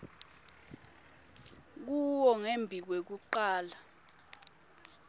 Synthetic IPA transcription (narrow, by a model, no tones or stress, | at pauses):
k̬uwɔŋembʱik̬wek̬uǃaːla